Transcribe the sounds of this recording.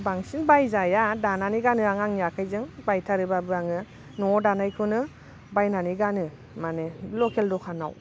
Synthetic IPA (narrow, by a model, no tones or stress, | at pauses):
baŋsinbajzajadananiɡanɯaŋaŋijakʰajzɯŋbajtʰaɾɯbabɯɾaŋɯ | nɔdanajkʰɯnɯ | bajnaniɡanɯ | manelɔkʰeldɔkʰana̰w